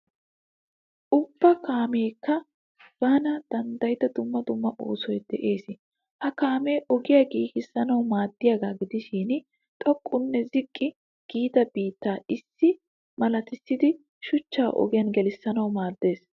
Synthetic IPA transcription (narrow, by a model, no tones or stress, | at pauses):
ʔʊbːɐkaːmeːkːɐ | b̥aːnɐd̪̥ɐnd̪ɐjɪd̪ɐd̪ʊmːɐd̪ʊmːɐʔo̞ːsɔjd̪̥ɛʔe̞ːsɪ | hɐkaːme̞ːʔɔɡɪjɐɡiːkɪsːɐnɐwmaːd̪ːɪjaɡaːɡɪd̪ɪʃiːn | t̪ʼɔkʼːʊnːɛzɪkʼːɪ | ɡ̥iːt̪ɐbiːt̪ːaːɪsːɪ | mɐlɐt̪ɪsːɪd̪ɪ | ʃʊt͡ʃːaːʔɔ̰ɡɪjɐnɡɛlɪsːɐnɐwmaːd̪ːe̞ːs